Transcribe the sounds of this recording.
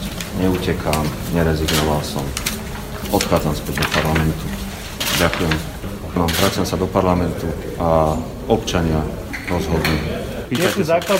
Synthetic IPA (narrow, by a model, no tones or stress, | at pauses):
ɲɛucɛkʰaːmɲɛɾɛziɡnɔʋalsɔ̰m | ɔt̪xaːd͡zamspɛɟd̪ɔpaɾlamɛnt̪u | ɟakujɛm | nɔmvɾat͡sɪamsad̪ɔpaɾlamɛnt̪u | a | ɔpt͡ʃaɲɪa | ɾɔzɦɔd̪li | ɛizaːkla